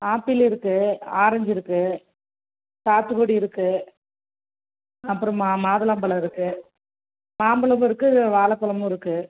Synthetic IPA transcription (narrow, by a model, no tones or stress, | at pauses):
aːpɪlɪɾɯkːɯaːɾɐɲd͡ʒɪɾɯkːɯ | saːt̪ːɯkoːɽiɪɾɯkːɯ | ɐpːɯɾɔ̃maːðɐlɐmbɐlɐɪɾɯkːɯ | maːmbɐlɐmɪɾɯkːɯʋaːlɐpːɐlɐmɯ̃ɪɾɯkːɯ